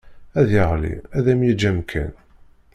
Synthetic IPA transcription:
æðjəʁlḭæðæmjid͡ʒːæmkʰæ̰n

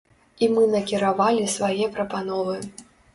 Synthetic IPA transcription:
imɨnɐkʲiɾavalʲisvajɛpɾɐpanɔvɨ

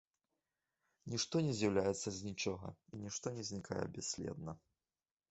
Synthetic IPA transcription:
nʲiʂt̪ɔnʲɛzʲjawlʲajɛt̪sːɐzʲnʲit͡ʂɔɣɐ̰inʲiʂt̪ɔnʲɛzʲnʲikʰajɛ̰bʲɛsʲlʲɛ̰d̪̚nɐ

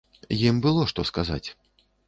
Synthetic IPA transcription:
jimbɨlˠɔʂt̪ɔskaza̰t͡sʲ

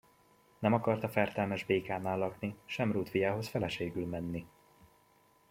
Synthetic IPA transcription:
nɛmɒkɒrt̪ɒfɛrt̪ɛlmɛʒbeːkaːnaːlːɒkniʃɛmruːt̪fijaːɦo̞sfɛlɛʃeːɡylmɛnːi

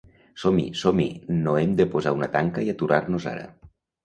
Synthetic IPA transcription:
somḭsomḭnoemd̪əpozaunat̪aŋkaiat̪uɾarnoza̰ɾə̰

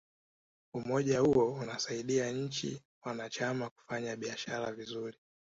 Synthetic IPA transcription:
umɔʄahuɔunasaiɗiaɲ̩t͡ʃḭ | wanat͡ʃamaku̥faɲaɓiaʃaɾavizuɾi

